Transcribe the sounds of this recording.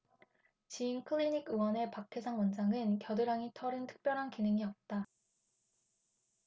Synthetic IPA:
t͡ɕiinkʰɯɭiɲikʰɯwʌne̞pakʰe̞sʰaŋwʌnd͡ʑaŋɯnkjʌdɯɾaŋitʰʌɾɯntʰɯ̥k̚p͈jʌɾɦankinɯŋiʌp̚t͈a

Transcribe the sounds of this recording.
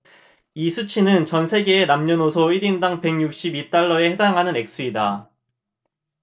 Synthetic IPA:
isʰut͡ɕʰinɯnt͡ɕʌnsʰe̞ɡe̞ːnamɲʌnosʰoiɾindaŋpe̞ŋjuk̚ɕ͈ibit͈aɭːʌe̞he̞daŋɦanɯne̞k̚s͈uida

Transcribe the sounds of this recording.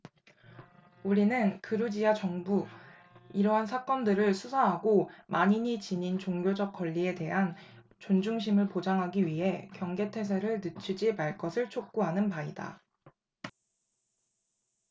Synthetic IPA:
uɾinɯnkɯɾud͡ʑiat͡ɕʌŋbu | iɾʌɦansʰak͈ʌndɯɾɯɭsʰusʰaɦaɡomaɲiɲit͡ɕiɲint͡ɕoŋɡjod͡ʑʌk̚k͈wʌʎːie̞te̞ɦan | t͡ɕond͡ʑuŋɕ̬ʰimɯɭpod͡ʑaŋɦaɡiɥiɦe̞kjʌŋɡe̞tʰe̞s̬ʰeɾɯɭnɯt͡ɕʰid͡ʑimaɭk͈ʌsʰɯɭt͡ɕʰok̚k͈uɦanɯnpaida̰

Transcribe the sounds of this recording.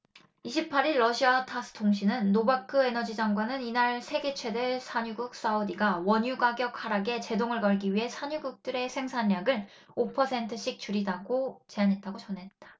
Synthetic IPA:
iɕʰipʰaɾiɭːʌɕʰiatʰas͈ʰɯ̥tʰoŋɕʰinɯnːobakʰɯe̞nʌd͡ʑid͡ʑaŋɡwanɯninaɭsʰe̞ɡe̞t͡ɕʰwe̞deɭsʰaɲuɡuk̚s͈aodiɡawʌɲuɡaɡjʌk̚ʰhaɾaɡe̞t͡ɕe̞doŋɯɭkʌɭɡiɥiɦe̞sʰaɲuɡuk̚t͈ɯɾe̞sʰe̞ŋsʰaɲːaɡɯn | opʰʌsʰe̞ntʰɯɕʰik̚t͡ɕuɾidaɡot͡ɕe̞anɦe̞t̚t͈aɡot͡ɕʌnɦe̞t̚t͈ḁ

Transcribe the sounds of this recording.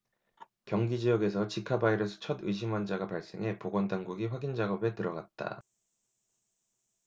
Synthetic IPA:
kjʌŋɡid͡ʑijʌɡe̞sʰʌt͡ɕikʰabaiɾʌsʰɯ̥t͡ɕʰʌdɯ̰iɕ̬ʰimwand͡ʑaɡapaɭs͈e̞̰ŋɦe̞poɡwʌndaŋɡuɡiɸwaɡind͡ʑaɡʌbe̞tɯɾʌɡat̚t͈a̰

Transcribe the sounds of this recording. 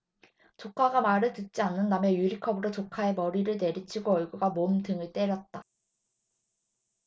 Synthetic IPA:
t͡ɕokʰaɡamaɾɯɭtɯt̚t͡ɕ͈ianːɯnːamejuɾikʰʌbɯɾot͡ɕokʰae̞mʌɾiɾɯɭte̞ɾit͡ɕʰiɡoʌɭɡuɡamomdɯŋɯɭt͈e̞ɾjʌt̚t͈a

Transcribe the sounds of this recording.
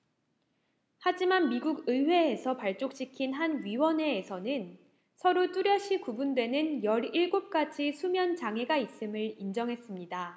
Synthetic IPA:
had͡ʑimanmiɡuɡɯwe̞ːsʰʌpaɭt͡ɕ͈ok̚ɕ͈ikʰinɦanɥiwʌne̞ːsʰʌnɯn | sʰʌɾot͈uɾjʌɕʰikubundwe̞nɯnjʌɾiɭɡop̚k͈ad͡ʑisʰumjʌnt͡ɕaŋe̞ɡais͈ɯmɯɭind͡ʑʌŋɦe̞s͈ɯmɲida

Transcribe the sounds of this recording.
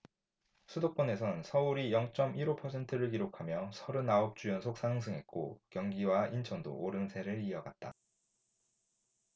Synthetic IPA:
sʰudok̚p͈ʌne̞sʰʌnsʰʌuɾijʌŋt͡ɕ͈ʌmiɾopʰʌsʰe̞ntʰɯɾɯɭkiɾokʰamjʌsʰʌɾɯnaop̚t͡ɕ͈ujʌnsʰok̚s͈ʰanɯŋsʰɯŋɦe̞t̚k͈okjʌŋɡiwaint͡ɕʰʌndo̰ʔːɾɯnsʰe̞ɾɯɾiʌɡat̚t͈a̰

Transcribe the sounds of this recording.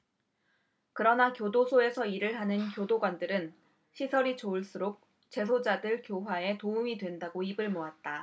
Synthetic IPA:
kɯɾʌnakjodosʰoe̞sʰʌiɾɯɭɦanɯnkjodoɡwandɯɾɯn | ɕʰisʰʌɾit͡ɕouɭs͈uɾok̚ | t͡ɕe̞sʰod͡ʑadɯɭkjoɦwae̞toumidwe̞ndaɡoibɯɭmoat̚t͈a

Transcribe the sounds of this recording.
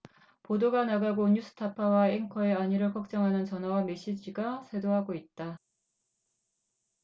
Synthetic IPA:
podoɡanaɡaɡoɲus͈ʰɯ̥tʰapʰawaeŋkʰʌeaɲiɾɯɭkʌk̚t͡ɕ͈ʌŋɦanɯnt͡ɕʌnʌwame̞ɕ͈id͡ʑiɡasʰwe̞doɦaɡoit̚t͈a

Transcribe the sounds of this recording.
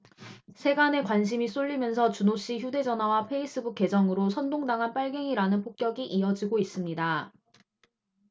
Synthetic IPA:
sʰe̞ɡane̞kwanɕ̬ʰimis͈oʎːimjʌnsʰʌt͡ɕunoɕ͈içjude̞d͡ʑʌnɦawapʰe̞is͈ʰɯbuke̞d͡ʑʌŋɯɾosʰʌndoŋdaŋɦanp͈aɭɡe̞ŋiɾanɯnpʰok̚k͈jʌɡiʔiʌd͡ʑiɡois͈ɯmɲida

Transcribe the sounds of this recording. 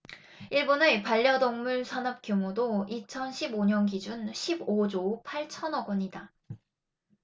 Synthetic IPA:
iɭbonɯpaʎːjʌdoŋmuɭsʰanʌp̚k͈jomudoit͡ɕʰʌnɕʰiboɲʌnɡid͡ʑunɕʰibod͡ʑopʰaɭt͡ɕʰʌnʌɡʌɲida

